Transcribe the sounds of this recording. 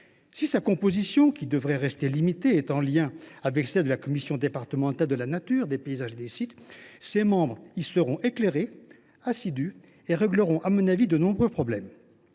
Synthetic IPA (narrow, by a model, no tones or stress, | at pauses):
sisakɔ̃pozisjɔ̃kʲid̪əvʁɛʁɛst̪elimit̪eːt̪ɑ̃ljɛ̃avɛklsɛld̪əlakɔmisjɔ̃d̪epaʁt̪əmɑ̃t̪ald̪əlanat̪yːʁd̪epeizaʒed̪esit̪semɑ̃bʁisəʁɔ̃ʔekleʁe | asid̪y | eʁɛɡləʁɔ̃ʔamɔ̃navid̪ənɔ̃bʁøpχɔblɛm